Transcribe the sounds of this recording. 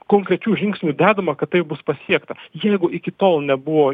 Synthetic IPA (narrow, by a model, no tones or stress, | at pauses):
koːŋkɾʲɛt͡ʃʲuːʒʲɪŋksʲnʲud̪ʲæːd̪ɐmɐkɐt̪̚tɐɪp̚bʊspɐsʲiɛkt̪ɐjɛɪɡʊʔɪkʲɪt̪oːlˠnʲɛbʊʋoː